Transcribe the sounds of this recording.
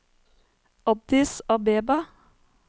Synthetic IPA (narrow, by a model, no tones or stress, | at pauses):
ɔb̚d̪ɪsɑːbeːbɑ